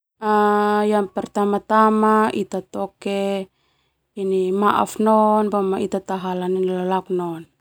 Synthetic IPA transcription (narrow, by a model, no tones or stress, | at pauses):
ajanpɛrt̪amat̪amaʔit̪at̪ɔke | inimaʔa̰fnɔnbamait̪at̪aɦalaninlalak̚nɔn